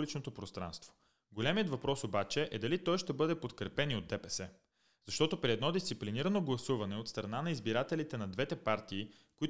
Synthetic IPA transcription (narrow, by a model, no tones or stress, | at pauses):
lit͡ʃnot̪opɾost̪ɾa̰nst̪vo̥ | ɡolʲɛmijət̪vɐpɾɔsobat͡ʃɛʔɛd̪ɐlit̪ɔjʃt̪ɛbɤd̪ɛpot̪kɾɛpɛniod̪ɛpɛsɛ | zɐʃt̪ɔt̪opɾiɛd̪nɔd̪ist̪sipliniɾənoɡlˠɐsuvɐnɛot̪st̪ɾɐnanɐizbiɾat̪ɛlit̪ɛnɐd̪vɛt̪ɛpaɾt̪iː | koi